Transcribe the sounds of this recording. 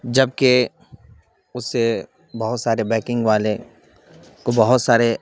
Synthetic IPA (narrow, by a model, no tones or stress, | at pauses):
d͡ʒɐb̚ke | ʊsːe | bɐɦʊt̪saːɾebɛːkɪ̃ŋɡʋaːle | kobɐɦʊt̪saːɾe